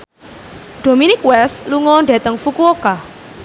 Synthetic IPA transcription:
ɖ̪̥o̤minɪkwɛsluŋɔɳɖet̪əŋfukuoka

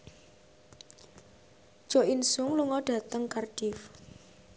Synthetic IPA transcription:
ʒ̥ɔinsʊŋluŋɔɖ̥ä̤t̪əŋkarɖ̥if

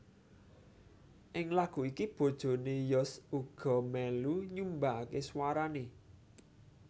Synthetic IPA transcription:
ʔɪŋlaɡ̥ṳikib̥o̤d̥ʒ̥o̤nejɔsuɡ̥ɔ̤mɛluɲumbakeswaɾane

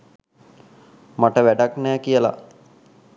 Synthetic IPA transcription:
maʈəʋæɖaknɛːkijəla̰

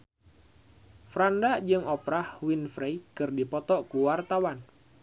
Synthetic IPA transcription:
fɾandad͡ʒɨŋɔpɾahwinfɾejkɨrdipɔt̪ɔʔkuwart̪awan

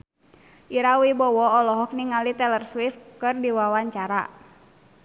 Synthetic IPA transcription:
ʔiɾawibɔwɔɔlɔɦɔk̚niŋalit̪ɛlərswifkɨrdiwawaɲt͡ʃaɾa̰

